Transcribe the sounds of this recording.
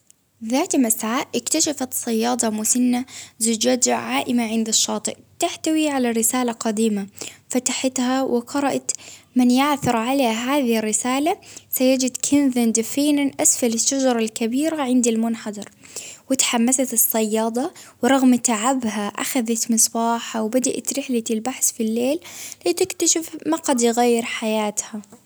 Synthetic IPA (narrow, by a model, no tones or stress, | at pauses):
ðaːt̪masʕaːʔʔɪkt̪aʃafat̪sˤːɑjːɑːd̪ˤɑmʊsanːazʊd͡ʒaːd͡ʒ̪ʕaːʔɪmaʕɪnd̪ɪʃːɑːt̪ˤɨʔt̪aħt̪awiʕalarːɪsaːlaqɑd̪iːmafat̪ḁħat̪hawʔɪqɑɾˤɑʔat̪mɪnjaʕθʊɾˤʕaleːɦaːðɪhɪrːɪsaːlasajad͡ʒɪd̪kʰɪnðand̪fiːnanʔasfalɪʃːad͡ʒɑɾˤɑlkabiːɾaʕɪnd̪ilmʊnħɑd̪ˤɑɾˤwɪt̪ħamːasat̪ɨsˤːɑjːɑːd̪ˤɑwɾˤɑɣmt̪aʕabɦaʔa̰xaðat̪mɨsˤbɑːħawbad̪aʔat̪ɾɪħlat̪ɪlbaħsfilːeːlit̪ɪkt̪aʃɪfmaqad̪jɣajːɪɾħajaːt̪ha